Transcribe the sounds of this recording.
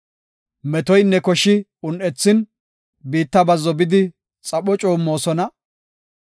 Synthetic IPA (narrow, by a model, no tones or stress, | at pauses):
mɛt̪ɔjnːɛkɔʃːɪʊnʔɛt͡sːɪn | biːt̪ːɐbɐzːɔbɪd̪ɪ | t͡sʼɐɓɔt͡ʃʼoːmːo̞ːsɔnɐ